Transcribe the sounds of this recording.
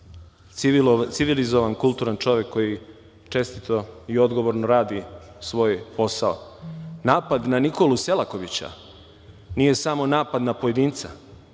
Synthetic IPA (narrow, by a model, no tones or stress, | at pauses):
t̪siʋilizoʋankulˠt̪uːɾant͡ʃo̞ʋekʰːo̞ji | t͡ʃe̞st̪it̪oio̞d̪ɡo̞ʋoɾnoɾaːd̪i | sʋo̞ːjpo̞sao̰naːpad̪naniko̞luse̞lako̞ʋit͡ɕa̰ | nije̞samo̞naːpad̪napo̞jed̪iːnt̪sa̰